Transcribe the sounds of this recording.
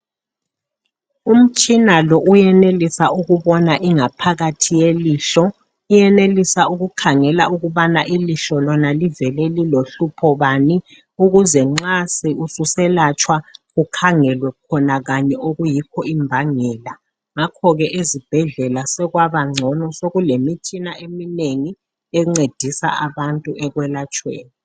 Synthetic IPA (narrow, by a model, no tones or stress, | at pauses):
um̩t͡ʃʼinalɔʔujɛnelisaʔuɣuβɔnaʔiŋapʰaɣatʰijeliːɬɔ | ijɛnelisauɣukʰaŋɛlauɣuβanaʔiliɬɔlɔnalivɛlɛliloɬupʰɔβani | uɣuzɛŋ͡ǀasiususɛlat͡ʃʰʼwaɣukʰaŋɛlwɛkʰɔnaɣaɲɛʔoɣujikʰɔimbʱaŋɛːla | ŋakʰɔɣɛʔezib̥ʱɛɮɛlasɛɣwaβaŋ͡ǀʱɔnɔsoɣulemitʰinaemineŋi | ɛŋ͡ǀed̥ʱisa̰aβantʼuɛɣwɛlat͡ʃʰʼwḛːni